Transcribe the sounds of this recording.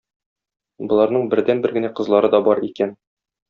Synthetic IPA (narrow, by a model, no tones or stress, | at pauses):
bŏlˠɑɾnɤɴbɘ̆ɾd̪ænbɘɾɡɘ̆næqɤ̆zlˠɑɾɤd̪ɒbɒɾikæn